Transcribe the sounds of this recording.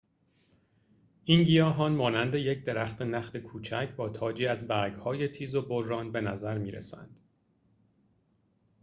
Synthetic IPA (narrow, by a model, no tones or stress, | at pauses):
ʔiːnɟijɒːɦɒːnmɒːnænd̪e̞je̞cʰd̪e̞ɾæχt̪ʰenæxlekʰuːt͡ʃʰæcʰbɒːt̪ʰɒːd͡ʒiːæzbæɾɡhɒːje̞t̪ʰiːzo̞bo̞ɾːɒːnbe̞næzæɾmiːɾḛsæ̰nd̪̥